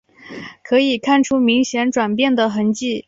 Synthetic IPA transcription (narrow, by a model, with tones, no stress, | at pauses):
kʰɤ˧˥i˨˩kʰa˥˩nʈ͡ʂʰu˥mi˧˥ŋɕjɛ˧˥nʈ͡ʂwa˨˩npjɛ˥˩nd̪ə˩xə˧˥nt͡ɕi˥˩